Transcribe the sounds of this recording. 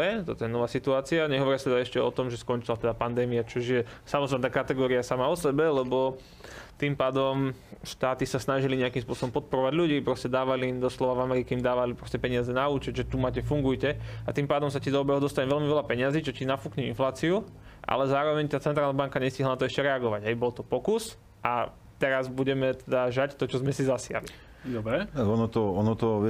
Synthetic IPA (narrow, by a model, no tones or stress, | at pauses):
ɛt̪ɔt̪ɔjɛnɔʋaːsit̪uaːt͡siaɲɛɦɔʋɔɾɪast̪ɛd̪aɛʃcɛɔ̰t̪ɔmʒɛskɔnt͡ʃilat̪ɛd̪apand̪ɛːmiat͡ʃɔʒjɛsamɔznat̪aːkat̪ɛɡɔːɾiasamaɔsɛbɛlɛbɔ | t̪impaːd̪ɔmʃt̪aːt̪isasnaʒiliɲɛakiːmspʊɔsɔbɔmpɔt̪̚pɔɾɔʋaɟʎuɟiːpɾɔscɛd̪aːʋaliimd̪ɔslɔʋavamɛɾikɛimd̪aːʋalipɾɔscɛpɛɲɪazɛnauːt͡ʃɛɟʒɛt̪umaːcɛfuŋɡujcɛat̪iːmpaːd̪ɔmsacid̪ɔɔbɛɦɔd̪ɔst̪aɲɛʋɛʎmiʋɛlapɛɲɪaziːt͡ʃɔcinafukɲɛinflaːt͡siu | ʔa̰lɛzaːɾɔʋɛɲt̪aːt͡sɛnt̪ɾalnabaŋkaɲɛsciɦlanat̪ɔɛʃcɛɾɛaɡɔʋaɟɦɛjbɔlt̪ɔpɔkus | ʔa | t̪ɛɾazbuɟɛmɛt̪ɛd̪aʒact̪ɔt͡ʃɔzmɛsizasɪa̰li | d̪ɔbɾɛaɔnɔt̪ɔɔnɔt̪ɔʋ